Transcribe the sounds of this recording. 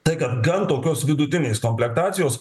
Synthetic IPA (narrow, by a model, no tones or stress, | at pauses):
t̪ɐɪkɐt̪ɡɐnt̪oːkʲoːsʋʲɪd̪ʊt̪ʲɪnʲeːskoːmʲpʲlʲɛk̚t̪ɑːt̪sʲɪjoːs